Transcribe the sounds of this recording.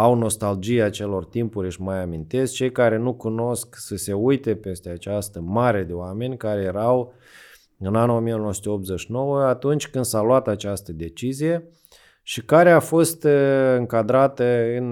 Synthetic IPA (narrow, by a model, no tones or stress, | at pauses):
awno̞st̪ald͡ʒijat͡ʃe̞lo̞rt̪impuɾʲɨʃmajamint̪e̞s̚t͡ʃe̞jkaɾe̞nukuno̞sksəse̞ujt̪e̞pe̞st̪e̞at͡ʃast̪əmaɾe̞d̪e̞oame̞nʲkaɾe̞je̞ɾaw | ɨnanuo̞mijenowsut̪eop̚t̪zeʃino̞wəat̪unt͡ʃʲkɨnd̪salwat̪at͡ʃast̪əd̪e̞t͡ʃizije̞ | ʃikaɾe̞afo̞st̪ɨŋkad̪ɾat̪əɨn